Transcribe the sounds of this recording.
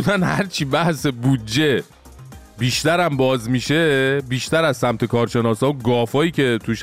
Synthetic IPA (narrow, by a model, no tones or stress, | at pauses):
d̪ænhæ̰ɾt͡ʃʰiːbæhse̞bud̪d͡ʒe | biːʃt̪æɾæmbɒːzmiʃebiːʃt̪æɾæzsæmt̪ʰe̞kʰɒːɾʃe̞nɒːsɒːoɡɒːfɒːjiːce̞t̪ʰuʃ